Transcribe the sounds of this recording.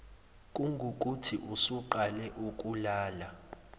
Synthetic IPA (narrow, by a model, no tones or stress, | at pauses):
kʼuŋɡʱukʼutʰiʔusuǃalɛʔukʼulaːla